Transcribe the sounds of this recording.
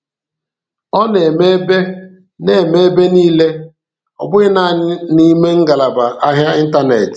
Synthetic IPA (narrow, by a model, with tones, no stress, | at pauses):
ɔ˦ne˨me˦be˦ | ne˦˨me˦be˦niː˦le˦ | ɔ̰˨bʊ˦ɣɪ˦na˦˨ɲɪ˦ni˦me˦ŋ̩˦ɡa˨la˨ba˨ʔa˦ɦja˦i˦n̩˦ta˦ne˨t